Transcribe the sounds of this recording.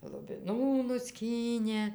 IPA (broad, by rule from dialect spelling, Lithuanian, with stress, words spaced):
lˠʊbʲɪˈnuː nʊˈsʲkʲiːnʲeː